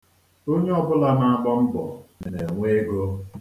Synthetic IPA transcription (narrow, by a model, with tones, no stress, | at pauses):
o˦ɲe˦ɔ˦bʊ˦la˦na˨a˦˨bɔ˦m̩˦bɔ̰˨ne˨ne˨ŋʷe˦ɡo˦